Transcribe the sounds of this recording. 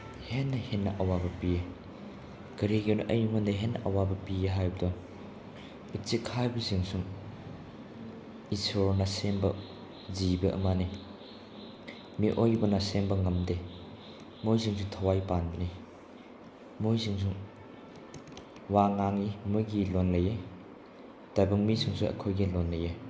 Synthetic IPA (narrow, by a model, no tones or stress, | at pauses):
henːɐhenːɐʔɐwabɐpije | ɡɐɾiɡenuʔɐjuŋundɐɦenːɐʔɐwabɐpieɦajbɐdɔŋ | ut͡ʃikʰabiziŋsuŋ | isoɾnɐsembɐ | zibɐʔɐ̰mani | miʔojbɐnɐsembɐŋɐmde | mojziŋs̬uŋtʰɐwajpanbɐni | mujziŋs̬uŋ | waŋaŋimujɡilonlɐje | d̥abɐŋmisiŋsuʔɐ̰kʰojɡilonlɐje